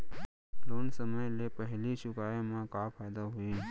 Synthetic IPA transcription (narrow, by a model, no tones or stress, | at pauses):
loːnsəməjlepəɦliʃʊkaːemãkapʰaːjd̪aɦʊiː